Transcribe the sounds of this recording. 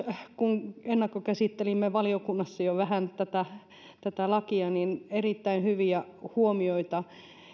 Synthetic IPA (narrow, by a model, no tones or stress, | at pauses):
kuŋenːɑkːokæsit̪ːelimːeʋɑliokunːɑsːɑjoʋæhænt̪æt̪æ | t̪æt̪ælɑkiɑninerit̪ːæinhyʋiæhuomioit̪ɑ